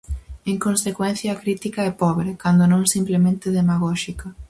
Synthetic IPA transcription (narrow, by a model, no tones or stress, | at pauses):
eŋkonsekwɛnθjɐːkɾit̪ikɐɛpɔβɾekand̪onõŋsimplemẽnt̪ɪðemaɣ̞ɔʃikɐ